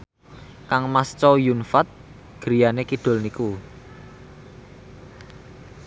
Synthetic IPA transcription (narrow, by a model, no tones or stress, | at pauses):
kaŋmast͡ʃɔjunfat̪̚ | ɡ̥əɾijanekiɖ̥ʊ̤lniku